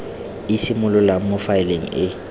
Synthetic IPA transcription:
isɪmʊlʊlamʊfaɪleŋ̩̰ɪ

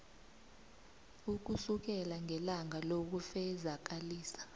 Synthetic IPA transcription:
uk̬usuk̬ɛlaŋɛlaŋalok̬ufɛzak̬aliːsḁ

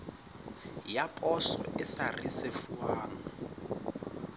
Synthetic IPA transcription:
japʼɔsɔ̰ʔɪsarisefuaːŋɔ

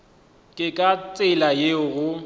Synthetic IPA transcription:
kʼɪkʼat͡sʼɪlajeʊɣʊ

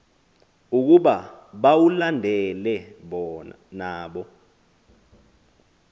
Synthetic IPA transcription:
uk̬uɓaɓawulandʱɛlɛɓɔ | naːɓɔ

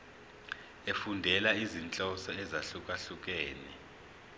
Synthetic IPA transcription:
efundʱɛlaizint͡ɬʼɔsɔɛzaɬuk̬ʼaɬuk̬ʼɛːnɛ̰

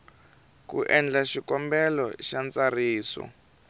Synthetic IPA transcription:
kṵʔɛnd͡ɮaʃikɔmbɛlɔ̰ʃant͡sariːsɔ̰

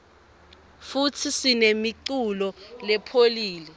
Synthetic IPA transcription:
futʰisinemiǀulɔlɛpʰoliːlɛ

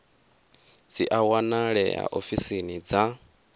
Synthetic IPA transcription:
d͡ziʔawanaɺɛa̰ʔofisinid͡za

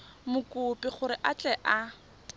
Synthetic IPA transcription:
mʊkʼʊpʼɪχʊɾɪʔat͡ɬʼɛʔa

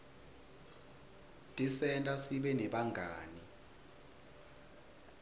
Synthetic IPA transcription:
tʼisɛntʼasiɓɛnɛɓaŋɡʱaːni

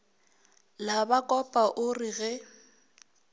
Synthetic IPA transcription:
labakʼɔpʼaʔʊriɣɛ

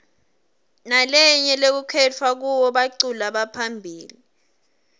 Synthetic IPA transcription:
nalɛɲɛlek̬ukʰɛt͡fʰwak̬uwɔɓaǀulaɓapʰambʱiːli

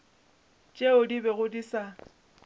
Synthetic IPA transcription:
t͡ʃʼeʊdibɛɣʊdisa

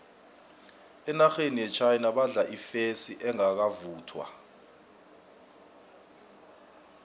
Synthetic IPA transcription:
ɛnaxenijɛt͡ʃʰajnaɓaɮaʔifesiʔɛŋak̬avuːtʰwa̰

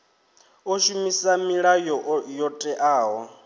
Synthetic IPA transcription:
oʃumisamiɺajɔjɔtʼɛʔaːɦɔ

